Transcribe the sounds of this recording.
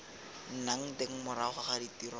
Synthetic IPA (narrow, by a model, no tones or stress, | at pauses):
n̩naŋ̩teŋ̩mʊɾaχʊχaditiɾɔ